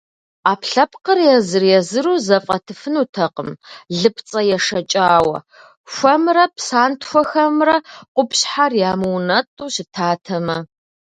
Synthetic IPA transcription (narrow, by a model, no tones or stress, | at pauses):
aːpʰɬɐpqərjɛzɨrjɛzɨɾuːzɐfʼɐtʰɨfɨnuːtʰɐqəmɮɨpʰt͡sʼɐjɛʂɐt͡ʃʼaːwɐ̰ | ɕʷɐmrɐpʰsaːntʰxʷɔxɐmrɐqʷʊpɕħarjaːmɨnɐtʼuːɕɪtʰaːtʰɐmɐ